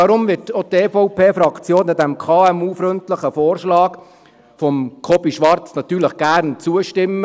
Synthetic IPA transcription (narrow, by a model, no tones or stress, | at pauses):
ɑɾʊmʋɪtotefɔʊpʰeːfɾɑkʰt͡sjoːnːɑd̪æmkʰɑːɛmuːfɾʏntləχəfoːɾʃlɑːk | fɔmkʰɔbiʃʋɑɾt͡snɑt̪ːyːɾləχɡ̥æːɾnt͡suəʃtɪmːə